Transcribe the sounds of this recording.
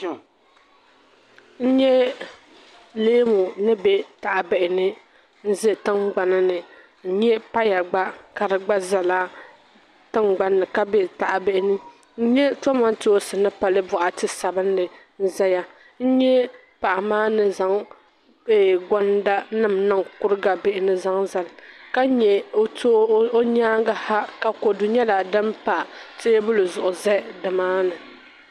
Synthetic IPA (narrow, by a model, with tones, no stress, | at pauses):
n̩˦ɲɛ˦ | leː˦mu˨nɨ˦bɛ˦ta˨ʔa˨bɛ˨ʔɪ˨nɨ˦ | n̩˦zɛ˦tɨ˦ŋɡ͡ba˨nɨ˦nɨ˨ | n̩˦ɲɛ˦pa˦ja˨ɡ͡ba˦ka˨ɾɨ˨ɡ͡ba˦za˨la˦ | tɨ˦ŋɡ͡ba˦nːɨ˨ka˦bɛ˦ta˨ʔa˨bɛ˦ʔɪ˦nɨ˦ | n̩˦ɲɛ˦tɔ˦ma˦n˦to˦o˦sɨ˨nɨ˦pa˨lɨ˦bʊ˨ʔa˨tɨ˦sa˨bɨ˦n˦dɨ˨ | n̩˦za˦ja˦ | n̩˦ɲɛ˦ | pa˨ʔa˨maː˦nɨ˨za˨ŋ | ɛ˨ɡɔ˦nda˦nɨ˦mnɨ˦ŋkʊ˦ɾɨ˦ɡa˨be˦ʔɪ˦nɨ˦za˦ŋza˨lka˦ɲɛ˨˦to˦o˦ɲaː˦ɡa˦ha˦ka˨ko˨dʊ˨ɲɛ˦la˨dɨ˦mpa˨tɪ˦bʊ˦lɨ˨zʊ˨ʔʊ˨zɛ˦dɨ˨maː˦nɨ˨